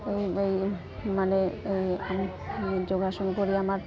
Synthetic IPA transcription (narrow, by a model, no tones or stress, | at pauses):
ejej | maneejam | d͡ʑoɡaʃoŋepoɾiamaɾ